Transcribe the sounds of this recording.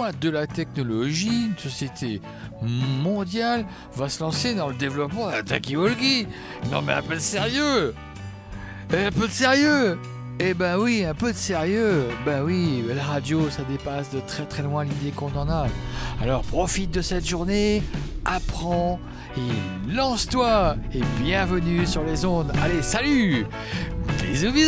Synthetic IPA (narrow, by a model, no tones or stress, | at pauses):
ɛ̃d̪əlat̪ɛknɔlɔʒiynsɔsjet̪ʰe | mɔ̃d̪jal | vasəlɑ̃sed̪ɑ̃ləd̪evlɔpmɑ̃d̪əlat̪a̰kiɔlɡi | nɔ̰̃mɛɛ̰̃pød̪əseʁjø | ɛ̃pød̪əseʁjø | ebɛ̃wiɛ̃pød̪əseʁjøbɛ̃wilaʁad̪josad̪epasd̪ət̪χɛt̪χɛlwɛ̃lid̪ekɔ̃nɑ̃naalɔʁpχɔfit̪̚d̪əsɛt̪ʒuʁneapχɑ̃ | elːɑ̃st̪waebjɛ̃vənysyʁlezɔ̃d̪alesaly | d̪ezuvi